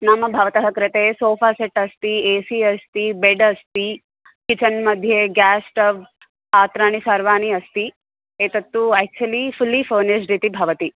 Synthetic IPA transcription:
namɐbʱɐʋɐt̪ɐɦɐkɾɪt̪esoːfaːseʈːɐst̪ieːsiɐst̪ibeɖɐst̪i | kit͡ʃɐnmɐd̪ʱjeɡaːsʈɐʋ | aːt̪ɾaːnisaɾʋaːniɐst̪i | eːt̪ɐt̪ːuæːk̚t͡ʃuɐlifulːifəːneʃɾit̪ibʱɐʋɐt̪i

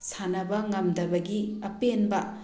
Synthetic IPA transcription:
sanɐbɐŋɐmdɐbɐɡiɐpenbɐ

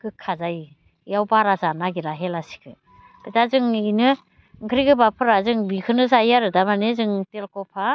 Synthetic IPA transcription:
kɯkʰːazaj | ijawbaɾazanaɡiɾaɦelasi̥kʰɯ | b̥itazɯŋinɯ | ŋkʰɾiɡɯbapʰɯɾazɯŋbikʰɯnɯzajaɾɯdamanezɯŋtelkɔpʰa

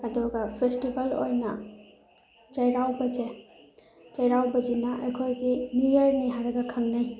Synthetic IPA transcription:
ɐduɡɐpʰestibɐlo̰jnɐ | d͡ʒajɾawbɐd͡ʒe | d͡ʒɐjɾawbɐd͡ʒinɐejkʰojɡimujɐɾniɦaɾɐɡɐkʰaŋnaj

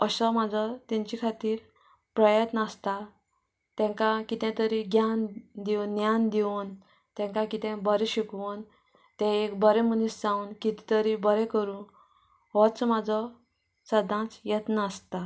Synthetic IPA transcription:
əsɔmad͡zʱɔt̪ɛ̃ɲt͡ɕikʰat̪iːɾ | pɾəjət̪nəst̪a | t̪ɛ̃ŋkakit̪ɛ̃t̪əɾiɡʱjand̪iʋnːjand̪iʋun | t̪ɛ̃ŋkãkit̪ɛ̃bəɾiɕikʋun | t̪ɛ̃ekbəɾɛmunisd͡zãunkit̪i̥t̪əɾibəɾɛ̃kəɾũ | ɦɔt͡smad͡zʱɔ | səd̪ãt͡sjət̪nəːst̪a

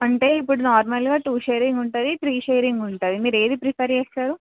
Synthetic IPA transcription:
ɐɳʈe̞ːipːuɽunaːɾmɐlɡaːʈuːʃejɾiŋɡuɳʈaːd̪it̪ɾiːʃejɾiŋɡuɳʈaːd̪imiːɾe̞ːd̪ipɾipʰeɾd͡ʒeːst̪aːɾu

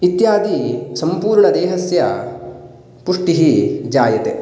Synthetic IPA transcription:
it̪jaːd̪isɐmpuːɾɳɐd̪ɛːɦɐsjɐ | puʂʈiɦid͡ʒaːjɐt̪e

